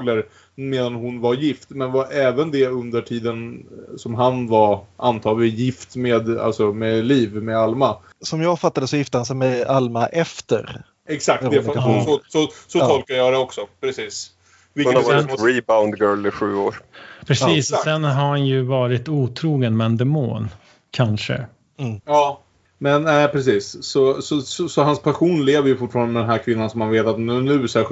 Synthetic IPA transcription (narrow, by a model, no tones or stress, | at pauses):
ɡləɾ | meːd̪anɦʊnvaɾjɪft̪mɛnvaɾʔɛːvənd̪ɛɵnd̪əʈʰiːd̪ənsɔmɦanvaɾʔant̪ʰɑːɡlɪjɪft̪meːd̪a̰lsɔmɛliːvmɛalma | sɔmjɑːɡfat̪ːad̪əsɔjɪft̪əhans̬ɛmɛalmaʔɛft̪ə̰ɾ | ɛksak̚t̪d̪ɛfsɔsɔsɔt̪ʰɔlkajɑːd̪ɛɔksɔpʰɾɛsiːs | vɪɛɾibaʊnd̪ɡœːlɪɧʉ̟ːoːɾpʰɾɛsiːssɛnɦaɾhanjɵvɑːɾɪt̪uːt̪ʰɾuːɡənmɛɛnd̪ɛmo̰ːn | kʰanʂə̰ | jɑː | mɛnnæɪpʰɾɛs̬iːsːɔsɔsɔsɔɦanspʰaɧuːnleːvəɾjɵfʊʈːfɑːɾand̪əɛd̪ɛnæːɾkʰvɪnːansɔmhanveːt̪at̪nnʉ̟ːsæːɧ